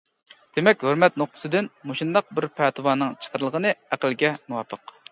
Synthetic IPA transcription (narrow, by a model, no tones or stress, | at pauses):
d̪̥emɛkʲhøɾmɛt̪̚noχ̚t̪ʰɨ̥sɨd̪ɪnmoʃind̪ɑq̚bɪɾpʰɛt̪ʰɨwɑːnɨŋt͡ʃʰə̥qʰəɾɨlˠʁənɨæqəlˠɡʲɛnuwɑːpʰəq